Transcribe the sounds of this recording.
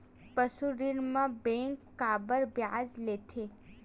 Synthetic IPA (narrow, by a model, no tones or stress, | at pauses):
pəsuɾiɾmãbẽŋkːabəɾbjad͡ʒlet̪ʰe